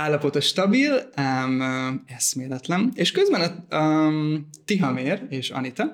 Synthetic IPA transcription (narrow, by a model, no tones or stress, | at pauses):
aːlːɒpo̞t̪ɒʃt̪ɒbilɛmɛsmeːlɛt̪lɛneːʃkøzbɛnɒ | t̪iɦɒmeːɾeːʃɒ̰nit̪ɒ